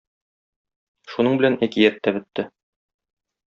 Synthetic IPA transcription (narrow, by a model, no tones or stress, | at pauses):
ʃunɤɴbɘ̆lænækijæt̪ːæbɘ̆t̪ːɘ